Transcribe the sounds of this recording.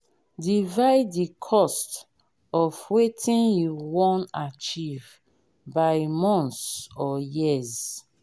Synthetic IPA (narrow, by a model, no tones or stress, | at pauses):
divaɪddikʰɔst | ɔfwetʰĩnjuwɔ̃nat͡ʃiv | baɪmɔ̃nsɔjiz